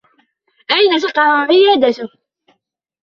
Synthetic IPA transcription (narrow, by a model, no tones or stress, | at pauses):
ʔajnas̬ɑqɑʕʊʕɪjaːd̪at̪ʊh